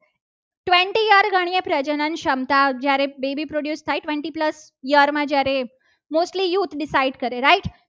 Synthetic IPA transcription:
ʈʋẽɳʈijəɾɡaɽ̃ijepɾəd͡ʑənənɕəmt̪ad͡ʑjaɾebebipɾoɽjuːst̪ʰaiʈʋẽɳʈiːpləs | jəɾmad͡ʑjaɾe | mosʈlijuːt̪ʰɖisaiɖkəɾeɾaiʈ

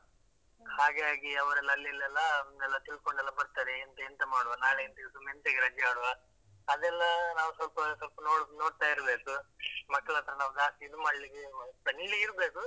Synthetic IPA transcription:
haːɡaːɡiɐʋɐɾɛlːɐɐlːilːɛlːɐɛlːɐt̪iɭkoɳɖɛlːɐbɐɾt̪aɾeint̪ɐint̪ɐmaːɽuʋɐnaːɭeint̪ɐɡesumːeint̪ɐɡɾɐd͡ʒjɐaːɽuʋɐ | ɐd̪ɛlːɐnaːʋusʋɐlpɐsʋɐlpɐnoːɽnoːɽt̪aːjiɾbe̞ːkumɐkːɐɭɐt̪ɾɐnaːʋud̪aːst̪iid̪umɐːɽliɡepɐniɭiiɾbe̞ːku

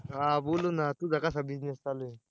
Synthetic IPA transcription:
aboːlunat̪ud̪akas̬abid͡ʒnest͡ʃale

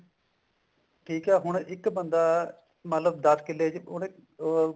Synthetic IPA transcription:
ʈʰiːkɛːɦʊɳ̃ɪkbənd̪aː | mət̪ləb̚d̪əskɪlːeːd͡ʒʊɳɪ

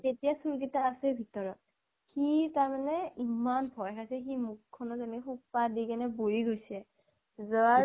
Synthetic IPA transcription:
tetijasuɹkitaːsɛbʱitɔɹɔt̚ | xitaɹmanɛimanbʱɔjkʰasɛximukʰːɔnɔzɛnɛkxukpadikanɛbojiɡojsɛ | zɔa

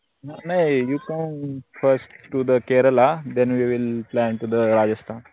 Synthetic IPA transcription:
nanajjuːkʌ̃mfəɾsʈːud̪əkeɾəlad̪ɛ̃nʋiʋɪlplæ̃ɳʈud̪əɾaːd͡ʒəsʈʰãːn

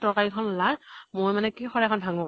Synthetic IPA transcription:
tɔkalikʰɔnɔlamojmanɛkixɔɹakʰɔnbʱaŋɔ

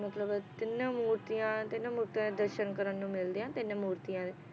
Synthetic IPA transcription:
mət̪ləbt̪ɪnːãːmuːɾt̪ijãːt̪ɪnãːmuːɾt̪ijãːd̪eːd̪əɾʃənkəɾənːũːmɪld̪iːãːt̪ɪnːãːmuːɾt̪ijãːd̪eː

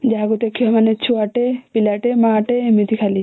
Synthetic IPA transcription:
d͡ʒaɡut̪ekʰiamanet͡ʃʰuaʈepilaʈemaːʈemit̪ikʰali

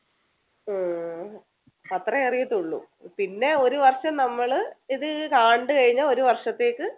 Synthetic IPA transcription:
ɐt̪rɐerijit̪ːuɭːṵ | pinːe̞o̞ɾuʋɐrʂɐmnɐmːɐɭiðɨkaːɳɖɨkɐɻiɲːao̞ɾuʋɐrʂɐt̪ːe̞ːkːɨ

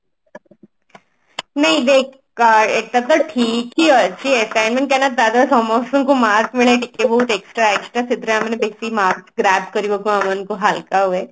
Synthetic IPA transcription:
nɐɦĩd̪ekː | aɾet̪at̪ːəɾʈʰiːkiət͡ɕiesajnmẽɳkanat̪̚d̪ad̪asɔmost̪uŋkomaːɾkmiɭẽʈikːebɔɦut̪eksʈɾaeksʈɾasit̪ɾəamenebesimaɾsɡɾæːb̚ʈkəɾiʋokuamankoɦalkaɦue

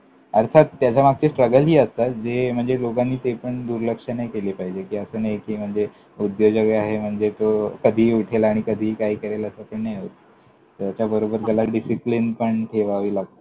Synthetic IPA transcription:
əɾt̪ʰat̪̚ːjat͡ɕamaɡ̚t͡ɕesʈɾəɡəlɦiːəst̪at̪̚d͡zem̤əɳd͡zelokanːiːt̪epəɳd̪uɾləkʂənajkeliːpaɦid͡ʑekiːəsəːnajkiːm̤əɳd͡ze | ud̪jod͡ʑəɡeaɦem̤əɳd͡zet̪okəd̪ʱiːuʈʰelaɽ̃ikəd̪ʱiːkaɦiːkəɾeləsapəɳnajot̪ | əjat͡ɕjabəɾobəɾɡəlaɖisiplinpəɳt̪ʰeʋaʋiːlaɡ̚t̪

